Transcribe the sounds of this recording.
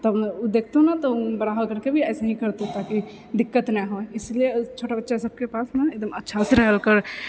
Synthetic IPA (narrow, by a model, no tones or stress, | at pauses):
t̪ɔbd̪eːk̚ʰt̪onat̪obəɾaɦkəɾkebʱiɛːsaɦĩkəɾt̪ot̪aki | d̪ɪkːət̪nɛɦoeɪslijet͡ʃʰoːʈʰabətːʃasəb̚kepaːsnaeːɡ̚d̪əmətːʃʰaseɾɛɦəlkəɾ